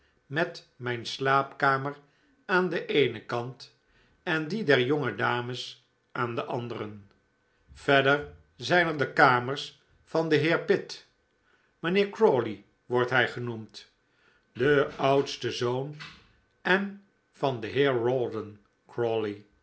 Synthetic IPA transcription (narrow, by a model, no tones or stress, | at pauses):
mɛt | mɛjnslaːpkaːməɹ | aːndəʔejnəkɑnt | ɛndidɛɹjɔŋədaːməs | ʔaːndəʔɑndəɾən | v̥ɛdəɹ | zɛjnəɹdəkaːməɹs | fɑndəɦɪːɹpɪt | mənɪːɹkɹoli | ʋɔɹtɦɛjχənumt | dəʌwtstəzown | ɛn | vɑndəɦɪːɹɹɔlˠdən | kɹɔli